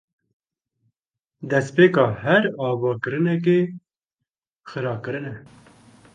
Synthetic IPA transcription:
d̪ɛspeːkɑːhæɾɑːbɑːkɨɾɨnɛk̬e | xɨɾɑːkɨɾɨnɛ

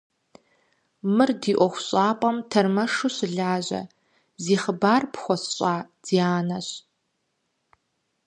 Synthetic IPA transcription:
mɨrdiːʔʷɔxʷɕʼaːpʼɐmtʰɐrmɐʂuɕɨɮaːʑɐ̰ | ziːχəbaːrpxʷɔsɕʼaːd̥iːaːnɐɕ

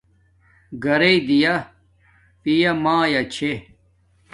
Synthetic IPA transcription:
ɡɐɾeid̪ija | pijɐmãːjɐt͡ɕʰe

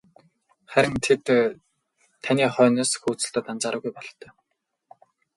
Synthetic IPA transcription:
χæɾʲɪ̆ŋt̪ʰet̪ | t̪ʰaniːχœːnaːsxuːt͡sɵ̆ɬt̪ə̆ːt̪ant͡saːɾə̆ːɣujpɔɮt̪ːœ̥ː

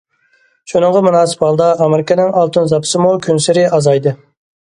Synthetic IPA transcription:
ʃunɨŋʁɑmunɑːsɨ̥pɑlˠd̪ɑʔɑmɪɾɪkʲənɪŋɑlˠt̪unzɑpʰɨ̥sɨmukʲʰønsɪɾɪʔɑzɑjd̪ɨ

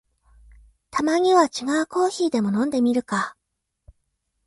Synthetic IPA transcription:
t̪ʰamaɲ̟iβat͡ɕiɡaɯ̟ko̞ːçiːd̪e̞mo̞nõ̞nd̪e̞mʲiɾɯ̟ka

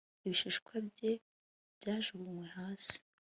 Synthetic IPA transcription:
iβiʃiʃkwabje̞ | bjaːʒuβuŋwe̞haːsi̥

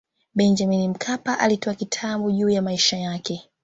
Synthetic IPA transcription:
ɓɛɲd͡ʒaminim̩kʰapaʔalitɔakitʰaɓuʄuːjamaiʃajakɛ

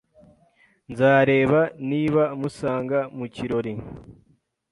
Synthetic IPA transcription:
nzaːɾe̞ːβaniːβamusaːŋɡamuciɾo̞ɾi

